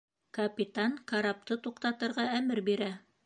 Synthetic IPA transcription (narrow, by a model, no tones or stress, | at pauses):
kɐpʲit̪aŋkaɾap̚t̪ɤt̪uqt̪ɑt̪ɤ̆ɾʁɑæmɘɾbiɾæ